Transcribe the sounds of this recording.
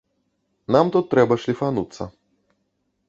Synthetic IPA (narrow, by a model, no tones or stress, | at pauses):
namt̪ut̪ːɾɛbɐʂlʲifanut̪sːɐ̰